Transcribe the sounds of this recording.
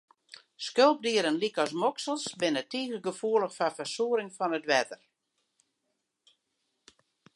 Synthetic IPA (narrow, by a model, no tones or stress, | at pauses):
skølˠp̚diəɾənlikɔs̬mɔksəlˠsbɪnətiːɣəɡəfuələxfafərsuəɾɪŋfɔnətʋɛtər